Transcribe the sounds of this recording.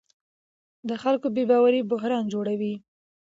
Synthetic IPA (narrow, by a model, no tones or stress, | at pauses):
d̪əxalkobebɑwaɾibʊɦɾɑnd͡ʒoɽawi